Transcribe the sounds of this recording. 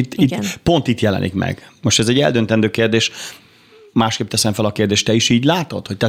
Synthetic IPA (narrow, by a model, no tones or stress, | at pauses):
t̪ːipo̞nt̪it̪jɛlɛ̰nʔḭkmɛ̰ɡ̥moʃt̪ɛzɛɟːɛ̰ld̪ønt̪ɛnd̪øːkeːrd̪eːʃ | maːʃkeːp̚t̪ɛsɛɱfɛlɒkeːrd̪eːʃt̪ɛiʃiːɟlaːt̪o̰t̪ho̞c̚t̪ɛ